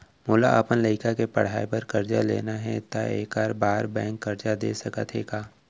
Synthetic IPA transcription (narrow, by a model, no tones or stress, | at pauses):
moːla̰ʔəpənləɪkakepɐɽ̤aːepɐɾkɐɾd͡ʒa̰lḛːnaɦɛ̰t̪aḛːkaːɾbaːɾbɛ̃ːŋkːɐɾd͡ʒad̪ḛːsɐkət̪ʰeːɡaː